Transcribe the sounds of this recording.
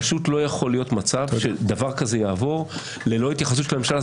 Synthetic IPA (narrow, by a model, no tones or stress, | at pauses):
ʃut̪lo̞jaχo̞lijo̞t̪mat͡savʃed̪avaʁkaze̞jaːvo̞ʁ | le̞lo̞it̪jaχas̬ut̪ːʃelamemʃala